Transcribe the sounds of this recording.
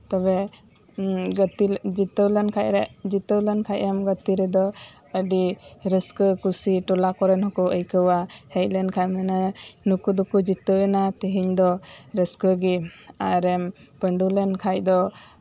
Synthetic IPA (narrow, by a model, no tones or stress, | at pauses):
t̪ɔβɛ | ɡət̪id͡ʒit̪əwlənkʰaʔɾɛʔd͡ʒit̪əwlənkʰaʔamɡət̪iɾɛd̪ɔ | əɖiɾəskəkusiʈɔlakɔɾɛnɦɔkɔʔəjkəwahɛj̚lɛnkʰajmananukud̪ukud͡ʒit̪əwɛnat̪iɦiɲd̪ɔɾəskəɡiaɾɛmpəɳɖulɛnkʰajd̪ɔ